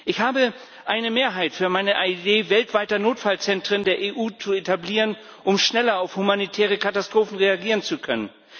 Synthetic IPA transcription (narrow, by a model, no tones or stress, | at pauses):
ʔɪçhaːbə | ʔaɪnəmeːɐɦaɪtfyːɐmaɪnəʔaideːvɛltv̥aɪtɐnoːtfalt͡sɛntʁ̥əndeːɐʔeːʔuːt͡suetʰabliːʁən | ʔʊmʃnɛlɐaʊfhumanitʰɛːʁ̞əkʰatastʁ̥oːfn̩ʁeaɡiːʁ̞ənt͡sukʰœnən